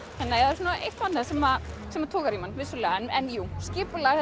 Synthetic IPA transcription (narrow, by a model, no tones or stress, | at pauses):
ɛnːeːjhaðɛɾsuːnaʔejht̪vanːasɛmasɛmat̪ʰoːkaɾimanvɪsʏlɛːɣaɛnɛnjuːscɪːpʏlaɣ